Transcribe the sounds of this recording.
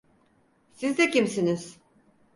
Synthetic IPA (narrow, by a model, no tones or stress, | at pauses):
sizd̪ɛcimsiniz̥